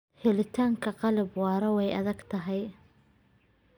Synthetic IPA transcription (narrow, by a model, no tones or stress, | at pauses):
hɪlɪt̪ʰaːŋkʰɐqɑlɪbwɑːɾɐwɛjɐðɐɡt̪ʰɐɦɛj